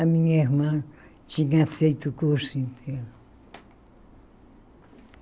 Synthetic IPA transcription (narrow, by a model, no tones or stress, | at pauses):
amiŋehman | t͡ʃiŋafejt̪ukosint̪ʰeɾ